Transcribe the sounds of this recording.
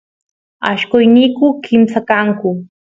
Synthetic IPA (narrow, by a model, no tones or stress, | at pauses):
a̰ʃkʊjnikʊkʰɪmsakaŋkʊ